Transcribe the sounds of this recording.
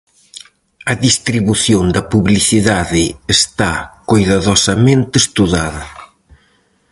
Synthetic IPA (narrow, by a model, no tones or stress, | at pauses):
ɐðist̪ɾiβuθjond̪ɐpuβliθiðaðɪːst̪akojðaðɔsɐmẽnt̪ɪest̪uðaðɐ